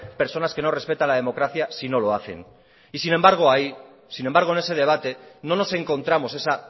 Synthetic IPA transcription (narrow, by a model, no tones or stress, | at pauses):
pe̞ɾso̞naske̞no̞re̞spe̞t̪anlaðe̞mo̞kɾaθjasino̞lo̞aθe̞̰n | isine̞mbaɾɣ̞o̞ai | sinembaɾɣ̞oene̞se̞ðe̞β̞at̪e̞no̞no̞se̞ŋko̞nt̪ɾamo̞se̞sa